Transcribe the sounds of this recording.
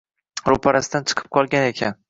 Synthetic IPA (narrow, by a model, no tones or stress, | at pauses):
ɾopʰaɾasɪd̪ant͡ʃʰɨ̥qʰɨ̥p̚qʰɒlˠɡʲane̞kʲʰan